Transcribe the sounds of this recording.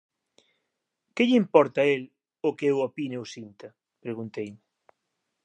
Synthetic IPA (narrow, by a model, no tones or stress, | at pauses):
kɪʎiimpɔɾt̪ɐael | ʊkeewopinewsint̪a | pɾeɣunt̪ejmɪ